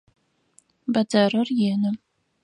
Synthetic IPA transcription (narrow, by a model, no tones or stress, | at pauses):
bɐdɐrɐrjeːnɨ